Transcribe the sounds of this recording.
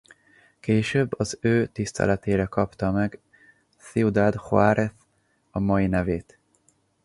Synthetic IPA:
keːʃøbːɒzøːt̪ist̪ʰɛ̰lɛt̪eːɾɛkɒpt̪ɒmɛɡ | siud̪ad̪hoaːɾet̪ | ɒmɒjinɛveːt̪

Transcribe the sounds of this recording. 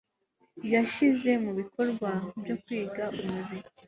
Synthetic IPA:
jaʃize̞muβiko̞ɾɡwabjo̞kwiːɡaʔumuzi

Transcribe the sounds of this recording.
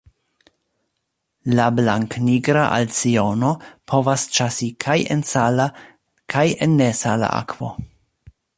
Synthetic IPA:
lablaŋkniɡɾaʔa̰lt͡sio̞no̞pʰo̞vast͡ʃasikʰajḛnsala | kʰajenːesala̰ʔa̰kv̥o̞̰

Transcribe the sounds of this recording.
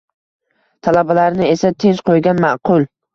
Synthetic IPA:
t̪ʰalabalaɾnɪe̞sat̪ʰe̞nt͡ʃqʰojɡʲanmaʔqʰʊlˠ

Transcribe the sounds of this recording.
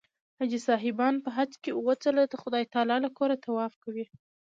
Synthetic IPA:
had͡ʒisɑɦɪbɑnpəɦat͡skeuwot͡səlad̪əxʊd̪ɑjt̪ɑlɑlakoɾat̪ʰawɑfkawi

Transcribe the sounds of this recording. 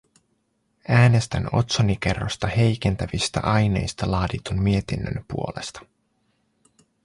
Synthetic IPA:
æːne̞st̪æ̰no̞̰t̪sonike̞rːo̰st̪ɑhe̞jk̟e̞nt̪æʋist̪æ̰ʔɑjne̞̰jst̪ɑlɑːdit̪unmie̞t̪inːø̰npṵo̞le̞̰st̪ɑ̥

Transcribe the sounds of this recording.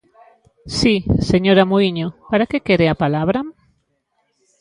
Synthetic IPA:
siseɲoɾamoiɲopaɾakekeɾeapalaβɾa

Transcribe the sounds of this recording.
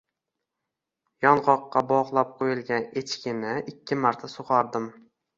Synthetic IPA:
jɒnʁɒqːɑbɒʁlˠap̚qʰojɪlˠɡʲanet͡ʃkʲɪnɪɪkʲʰːɪmaɾt̪ʰasoqɑɾd̪ɪm

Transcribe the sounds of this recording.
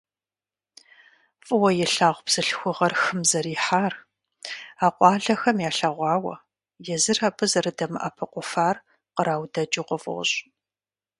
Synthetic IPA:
fʼɨwɐjɛɬaːʁʷbz̥ɨɬxʷʊʁɐrxɨmzɐɾiːħaːr | aːqʷʼɑːɮɐxɐmjaːɬɐʁʷɑːwɐ̰ | jɛzɨrapʰɨzɐrɨdɐmɨʔɐ̰pʰɐqʷʼʊfaːr | qəɾaːwdɐd͡ʒʼɪqʷɔfʼʊ̰ɕʼ

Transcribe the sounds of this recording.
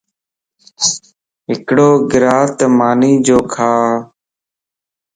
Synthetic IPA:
ɦɪkɽoːɡɪɾaːt̪maːniːd͡ʒoːkʰaː

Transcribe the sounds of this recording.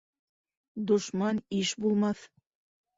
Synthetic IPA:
d̪ŏʃmɑniʃbulˠmɑθ

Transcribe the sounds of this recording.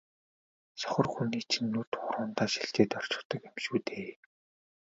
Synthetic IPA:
sɔ̥χɞ̆rxuniːt͡ɕʰinːut̪χʊɾʊːnt̪aːʃiɬt͡ɕeːt̪ɔr̥t͡ɕɪ̥̆kt̪ɞ̆kemʃuːt̪ʰeː

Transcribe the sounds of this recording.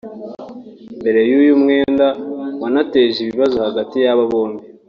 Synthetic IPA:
mbe̞ɾe̞jujumŋe̞ːndawanate̞ʒiβiβazohaɡatijaβaβoːmbi

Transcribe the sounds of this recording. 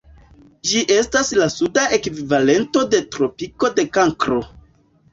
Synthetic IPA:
d͡ʒiʔe̞staslasudaʔe̞kvivale̞nto̞de̞tɾo̞piko̞de̞kaŋkɾo̞

